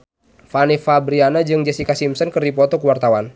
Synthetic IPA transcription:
fanifabɾianad͡ʒɨŋd͡ʒɛsikasimsənkɨrdipɔt̪ɔkəwart̪awan

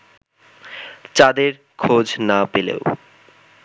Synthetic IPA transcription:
t͡ɕad̪eɾ | kʰod͡ʑnapelḛo

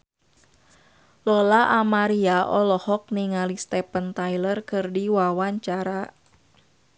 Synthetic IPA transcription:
lɔlaʔamaɾiaʔɔlɔhɔk̚niŋalist̪ɛpənt̪ajlərkɨrdiwawaɲt͡ʃaɾa

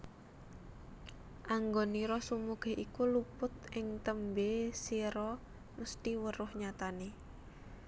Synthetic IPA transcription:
ʔaŋɡoniɾɔsumuɡ̥e̤ʔikulupʊt̪ʔɪŋt̪əmbesiɾɔ | məst̪iwəɾʊhɲat̪ane

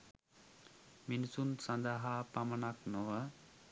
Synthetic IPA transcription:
minisunsɐnd̪aɦapamənaknoʋə

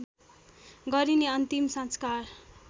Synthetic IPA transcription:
ɡʌɾineʌnt̪imsʌ̃nskar

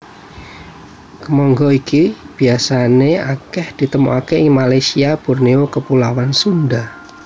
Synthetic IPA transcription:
kəmɔŋɡɔikib̥i̤asaneakɛhd̪̥i̤t̪əmṵakeɪŋmalajsiab̥urneokəpulawansund̪a

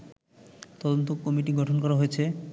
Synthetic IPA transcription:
t̪ɔd̪ont̪̬okːɔmiʈiɡɔʈʰonkɔɾaɦoet͡ɕʰe

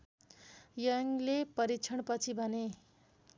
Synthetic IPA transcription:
jʌŋlepʌɾit͡sʰʌɳpʌt͡sʰibʱʌne

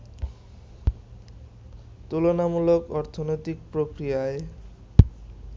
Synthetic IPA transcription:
t̪ulonamulokɔɾt̪ʰonojt̪ikpɾokɾijae

